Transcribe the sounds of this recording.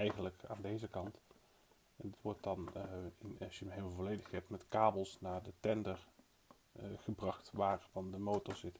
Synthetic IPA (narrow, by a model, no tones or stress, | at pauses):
ɛjχənləka̰ːndejzəkɑnt | ɛndɑtʋɔɹt̚dɑnɪnsjəmɦɪmlˠvolejdəχɛp̚tmɛtkaːbəlˠsnaːɹdətɛndəɹ | χəbrɑχtʋaːɹfɑndəmowtɔɹzɪt